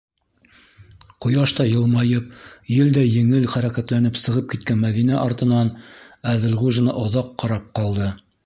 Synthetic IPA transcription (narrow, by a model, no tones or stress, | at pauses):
qŏjɑʃt̪ɑjɤ̆lˠmɑjɤp̚jɘld̪æjɘ̆ŋɘlχæɾækæt̪lænɘpsɤ̆ʁɤp̚kit̪̚kænmæðinæʔɑɾt̪ɤ̆nɑnæðɘ̆lʁuʒɘ̆nɑ̰ʔŏðɑqːɑɾɑp̚qɑlˠd̪ɤ